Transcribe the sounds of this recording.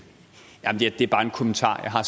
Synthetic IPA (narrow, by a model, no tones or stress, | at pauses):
jæmnd̥ed̥e̝æɐb̥ɑ̈ːe̝nkʰɔmənt͡sʰɑ̰̈ːjɑ̈ɦɑ̈s